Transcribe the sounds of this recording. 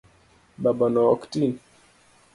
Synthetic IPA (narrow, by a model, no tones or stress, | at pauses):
babanɔɔktin